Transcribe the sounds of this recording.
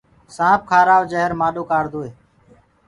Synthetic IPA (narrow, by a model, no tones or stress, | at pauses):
sãːp̚kʰaːɾaːʋd͡ʒəɦəɾmaːɗoːkaːɾd̪oːeː